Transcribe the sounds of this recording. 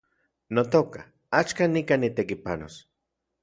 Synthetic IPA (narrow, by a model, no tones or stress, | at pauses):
not̪oka̰ | at͡ʃkanikanit̪ekipano̰s